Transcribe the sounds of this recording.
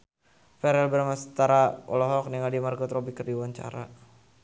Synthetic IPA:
fɛɾɛlbəɾmast̪aɾaɔ̰lɔɦɔk̚niŋadimarkɔt̪rɔbikərdiwaɲt͡ʃa̰ɾa

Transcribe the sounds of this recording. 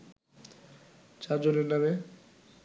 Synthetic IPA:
t͡ɕaɾd͡ʑoneɾname

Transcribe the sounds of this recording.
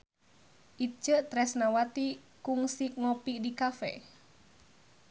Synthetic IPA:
ʔit͡ʃəʔt̪ɾɛsnawat̪i | kuŋsik̚ŋɔpiʔdikafɛ̰

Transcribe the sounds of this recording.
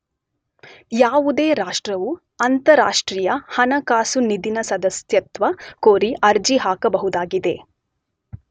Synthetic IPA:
jaːʋud̪eːɾaːʂʈɾɐʋu | ɐnt̪ɐɾa̰ːʂʈɾiːjɐhɐnɐkaːsunid̪inɐsɐd̪ɐsjɐt̪ʋɐkoːɾiʔɐɾd͡ʒiɦaːkɐbɐɦud̪aːɡid̪e̞

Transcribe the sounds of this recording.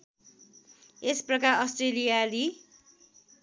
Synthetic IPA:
esprʌkaɾʌsʈrelijali

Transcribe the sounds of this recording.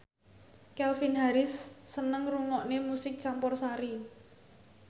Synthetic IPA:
kɛlfinɦaɾɪsːənəŋruŋɔʔnemusɪk̚t͡ʃampɔrsaɾi

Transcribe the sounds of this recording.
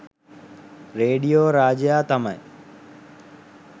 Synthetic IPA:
ɾeːɖijoːɾaːd͡ʒjaːt̪ɐmə̰

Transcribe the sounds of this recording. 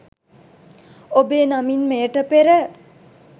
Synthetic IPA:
obeːnaminmeəʈəpeɾə

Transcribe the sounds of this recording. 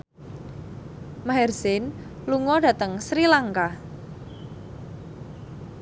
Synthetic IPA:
maɦɛrzɪn | luŋɔɖä̤t̪əŋsɾilaŋka

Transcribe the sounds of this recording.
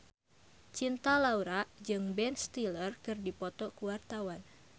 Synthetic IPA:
t͡ʃint̪alauɾaʔd͡ʒɨŋbɛnst̪ilərkɨrdipɔt̪ɔkuwart̪awan

